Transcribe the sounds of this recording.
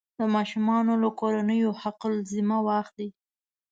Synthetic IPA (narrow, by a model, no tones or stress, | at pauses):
d̪əmɑʃumɑnolakoɾanəjohaqlzimawaxt̪̚d̪i